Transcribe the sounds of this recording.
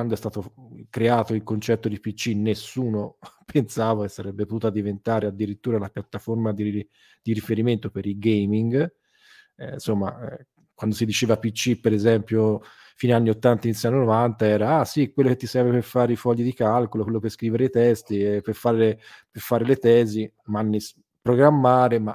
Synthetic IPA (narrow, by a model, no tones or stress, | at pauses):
wand̪oɛst̪aːt̪okɾeaːt̪oilkont͡ʃɛt̪ːod̪ipit͡ʃːinesːuːnopʰensaːvakesːaɾɛbːepot̪uːt̪ad̪ivent̪aːɾead̪ːiɾit̪ːuːɾalapjat̪ːaformad̪i | d̪iɾifeɾiment̪opeɾilɡejmiŋɡ | ɛnsomːa̰ | kwand̪osid̪it͡ʃeːvapit͡ʃːipːeɾezɛmpjo | fiːneanːiot̪ːant̪ainit̪sjanːonovant̪aɛːɾaasikwelːoket̪ːisɛɾveperfaːɾeifɔʎːid̪ikalkolokwelːoperskɾiːveɾeit̪ɛst̪iɛperfaːɾeleperfaːɾelet̪ɛːzi | manːis | pɾoɡɾamːaːɾema